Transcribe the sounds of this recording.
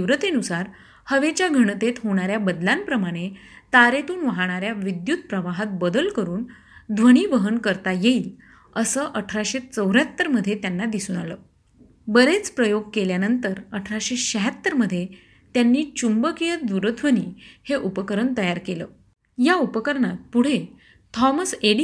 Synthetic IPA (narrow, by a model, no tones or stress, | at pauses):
ʋɾət̪enusaɾ | həʋet͡ɕjaɡʱəɽ̃t̪et̪ɦoɽ̃aɾjabəd̪lampɾəmaɽ̃et̪aɾet̪uːnʋaɦaɽ̃aɾjaʋid̪jut̪̚pɾəʋaɦat̪̚bəd̪əlkəɾuːn | d̪ʱʋəɽ̃iːʋəɦənkəɾt̪ajeiːl | əsəːʔəʈʰɾaɕet͡səwɾjat̪ːəɾməd̪ʱjet̪janːad̪isuːnaləː | bəɾet͡spɾəjoɡ̚keljanənt̪əɾəʈʰɾaɕeɕəɦat̪ːəɾməd̪ʱːje | t̪janːiːt͡ɕumbəkijət̪d̪uɾət̪ʰʋəniːheʔupəkəɾəɳt̪əjaɾkeləː | jaupəkəɾɳat̪̚puɽ̤e | t̪ʰɔməseɽ